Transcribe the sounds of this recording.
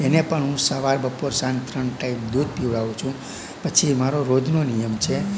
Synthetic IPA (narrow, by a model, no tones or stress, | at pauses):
enepəɳɦũsəʋaɾbəpoɾsant̪ɾəɳʈaimd̪ud̪̚piʋɭaʋũt͡ʃʰũ | pət͡ʃʰimaɾoɾod̪ʱnonijəmt͡ʃʰe